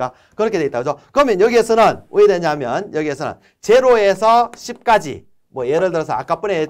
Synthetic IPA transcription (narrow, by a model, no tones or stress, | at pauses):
a | kɯɾʌkʰe̞dweit͈aɡʌd͡ʑokɯɾʌmjʌnjʌɡiesʰʌnɯnʔujedeɲaɦamjʌnjʌɡiesʰʌnɯ̰n | t͡ɕe̞ɾoe̞sʰʌɕʰip̚k͈ad͡ʑḭ | mwʌje̞ɾɯɭtɯɾʌsʰʌa̰k͈ap͈une